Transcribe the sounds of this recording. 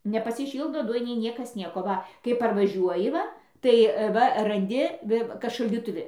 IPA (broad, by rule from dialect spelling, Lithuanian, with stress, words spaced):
nʲɛpɐsʲɪˈʃʲiːlˠdoː ˈdʊjɪnʲeːj ˈnʲiɛkɐs ˈnʲiɛkoː ˈʋɐ kɐɪ pɐrʋɐˈʒʲuɔjɪ ˈʋɐ tɐɪ ˈʋɐ rɐnʲˈdʲɪ ˈʋʲɪ kɐt ʃɐlʲdʲiːtʊˈʋʲɪ